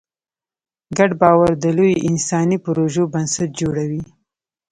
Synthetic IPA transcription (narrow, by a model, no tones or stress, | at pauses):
ɡaɖbɑwaɾd̪əlojɪnsɑnipʊɾoʒobansat̪̚d͡ʒoɽawi